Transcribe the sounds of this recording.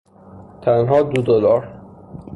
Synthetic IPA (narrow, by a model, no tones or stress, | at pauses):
t̪ʰænɦɒːd̪ud̪olɒɾ